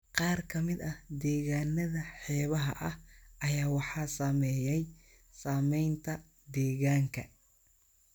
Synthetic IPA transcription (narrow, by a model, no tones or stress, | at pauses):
qɑːrkʰɐmɪd̪ɐhd̪ɛːɣaːnɐðɐħɛːβɐɦɐ̰ʔɐhʔɐjaːwɑħɑːsaːmɛːjɛj | saːmɛjnt̪ʰɐ | d̪ɛːɣaːŋkʰɐ